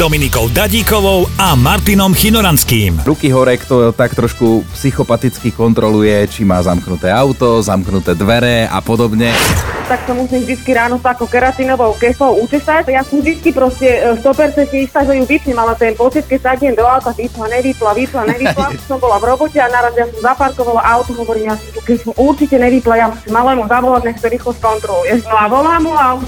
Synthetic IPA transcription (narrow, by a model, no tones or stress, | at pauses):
d̪ɔminikɔʊd̪aɟiːkɔʋɔʊamaɾt̪inɔmxinɔɾanskiːmɾukiɦɔɾɛkt̪ɔɛɔt̪akt̪ɾɔʃkupsixɔpat̪it͡skikɔnt̪ɾɔlujɛt͡ʃimaːzamknut̪ɛːaʊt̪ɔzamknut̪ɛːd̪ʋɛɾɛa̰pɔd̪ɔbɲɛt̪aksamusimvd̪it͡skiɾaːnɔsakɔkɛɾat̪inɔʋɔʊkɛslɔʊucɛsacjasɔmd̪it͡skipɾɔscɛst̪ɔpɛɾt͡sɛnt̪ɲɛist̪aːʒɛjuʋipɲɛmalɛt̪ɛnpɔt͡sit̪̚kɛcsaɟɲɛmd̪ɔawt̪aʋiːplaɲɛʋiːplaʋiplaɲɛʋiplasɔmbɔlavɾɔbɔcɛanaɾazɛjasɔmzapaɾkɔʋalaʔaʊwt̪ɔɦɔʋɔɾiːmjasit̪ukɛcsɔmuɾt͡ʃicɛɲɛʋiplajamusimːalɛːmuzaʋɔlaɟɲɛkt̪ɔɾiːxɔskɔnt̪ɾɔlujɛʃnɔaʋɔlaːmua